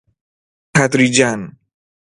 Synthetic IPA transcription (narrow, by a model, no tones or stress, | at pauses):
at̪ɾid͡ʒan